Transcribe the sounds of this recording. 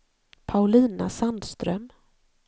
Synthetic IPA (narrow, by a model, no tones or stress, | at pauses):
pʰaʊliːna̰sand̪st̪ɾœ̰m